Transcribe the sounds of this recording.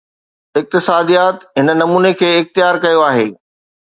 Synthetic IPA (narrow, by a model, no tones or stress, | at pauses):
ɪk̚t̪ɪsaːd̪ijaːt̪ɦɪnə̆nɐmuːnekʰeːɪxt̪ɪjaːɾkɐjoaːɦḛː